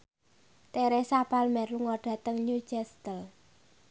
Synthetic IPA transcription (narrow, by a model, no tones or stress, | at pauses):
t̪eɾesapalmɛrluŋɔɖ̥a̤t̪əŋɲu̥d͡ʒɛst̪əl